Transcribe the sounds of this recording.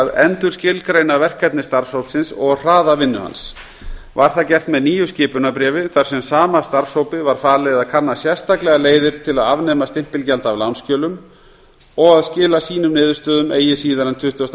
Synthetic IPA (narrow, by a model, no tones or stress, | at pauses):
ðɛnt̪ʏɾ̥scɪlkɾeːjnavɛr̥kʰːɛt̪nɪst̪aɾshowpsɪnsɔɣr̥aːðavɪnːʏ̰ha̰ns | vaɾ̥θacɛft̪mɛðniːjʏscɪːpʏnapɾɛːvɪθaɾ̥sɛmsaːmast̪aɾshowpɪvaɾ̥faːlɛɣðaðkʰaɾnːasjɛst̪aklɛɣaleːjðɪɾ̥t̪ʰɪlaðavnɛːmast̪ɪm̥pɪlcɛlt̪avlawnscœːlʏm | ɔɣaðscɪːlasiːnʏmnɪːðʏ̥st̪œːðʏmeːjɪsiːðaɾant̪ʰʏht̪ast̪